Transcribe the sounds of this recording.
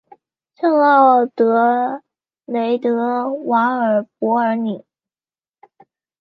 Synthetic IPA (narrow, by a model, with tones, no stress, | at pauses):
ʈ͡ʂʰɤ˥˧ŋɑ˥˩ʊt̪ɤ˧˥ | le˧˥ɪt̪ɤ˧˥wa˧˥ŋə˞˨˩pwɔ˧˥ə˞˧˥ni˨˩˦